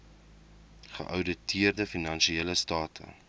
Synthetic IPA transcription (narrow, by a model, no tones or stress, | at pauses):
χə̰ʔœwdətʰiərdəfinɐnʃieləstɑːtʰə̰